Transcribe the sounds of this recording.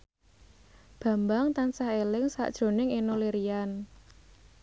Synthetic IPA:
b̥ä̤mbaŋt̪ansahelɪŋsa̰ʔd̥ʒ̥ɾo̤nɪŋenoleɾian

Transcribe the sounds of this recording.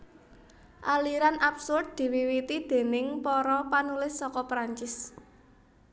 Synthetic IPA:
ʔaliɾanapsʊrd̪̚d̪̥i̤wiwit̪id̪̥e̤nɪŋpɔɾɔpanulɪsːɔkɔpɾaɲt͡ʃɪs

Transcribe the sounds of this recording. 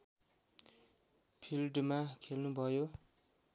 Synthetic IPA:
pʰilʈmakʰelnubʱʌjo

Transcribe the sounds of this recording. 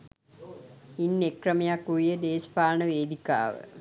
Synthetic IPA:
inːekrəmejakuʋijəd̪eːspaːnəʋeːd̪ika̰ːʋə̰

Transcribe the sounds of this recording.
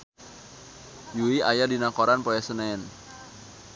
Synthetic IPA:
juiajadinakoɾanpoɛsənaɛn

